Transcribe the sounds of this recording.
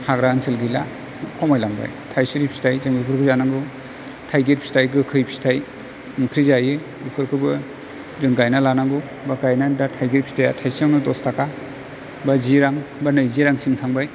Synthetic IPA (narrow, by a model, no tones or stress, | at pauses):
haɡɾaaŋsɯlɡɯjla̰ | kʰɔmajlaŋba̰jtʰajsuɾipʰi̥stajzaŋɡɯbʰɯɾkʰɯzanaŋɡɯ | tʰajɡeɾpʰi̥stajɡɯkʰɯjpʰi̥stʰaj | nɯŋtʰɾizaje | ukʰɯɾkʰɯbɯ | dɯŋɡajnalanaŋɡɯ | baɡajnadatʰajɡeɾpʰi̥stʰajatʰajsiaŋnɯdɔstaka | baziɾaŋbanɯjziɾaŋsimtʰaŋbaj